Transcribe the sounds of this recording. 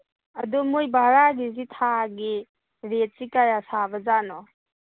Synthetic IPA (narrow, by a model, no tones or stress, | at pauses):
ɐdumujbaɾaɡizitʰaɡi | ɾet̚sikajasabɐzanɔ